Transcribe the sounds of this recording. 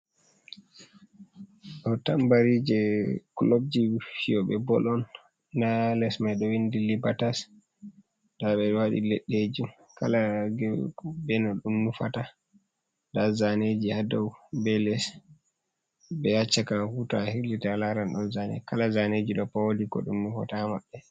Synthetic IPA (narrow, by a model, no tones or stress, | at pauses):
ɗɔtambaɾid͡ʒɛklob̚d͡ʒifiɔɓɛbɔlɔnː | alɛsmajɗɔwindilibatas | d̥aɓɛwaɗḭlɛɗːed͡ʒum | kʰalaɡɛbɛnɔɗumːufata | dazaned͡ʒihadɔwbɛlɛs | bɛjat͡ʃːakahutahilitalaɾanɗɔnzanɛ̰kalazaned͡ʒiɗɔpawodikɔ̰ɗumːufa̰tamaɓːɛ